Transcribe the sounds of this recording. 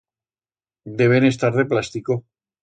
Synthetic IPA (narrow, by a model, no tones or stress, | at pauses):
d̪e̞β̞e̞ne̞st̪aɾðeplast̪iko